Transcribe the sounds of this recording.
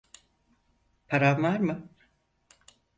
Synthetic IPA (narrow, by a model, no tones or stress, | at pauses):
pʰaɾanvaɾmɯ